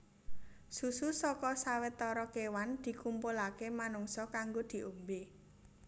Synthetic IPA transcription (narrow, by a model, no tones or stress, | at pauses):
sususɔkɔsawet̪ɔɾɔkewand̪̥i̤kumpulakemanuŋsɔkaŋɡod̪̥i̤ʔombe